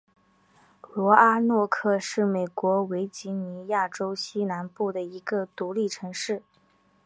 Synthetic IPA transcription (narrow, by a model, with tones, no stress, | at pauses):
lwɔ˧˥a˥nwɔ˥˧kʰɤ˥˧ʂɻ̩˥˩me˨˩ɪkwɔ˧˥we˧˥ɪt͡ɕi˧˥ni˧˥ja˥˩ʈ͡ʂo˥ʊɕi˥na˧˥npu˥˩d̪ə˩i˧˥ɡə˧t̪u˧˥li˥˩ʈ͡ʂʰɤ˧˥ŋʂɻ̩˥˩